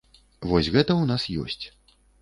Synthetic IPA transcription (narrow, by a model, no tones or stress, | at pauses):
vɔsʲɣɛt̪ɐwnasjɔ̰sʲt͡sʲ